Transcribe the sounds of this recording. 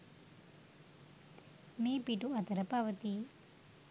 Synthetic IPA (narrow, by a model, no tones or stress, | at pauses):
meːpiʈuɐt̪ɐɾɐpaːʋɐt̪i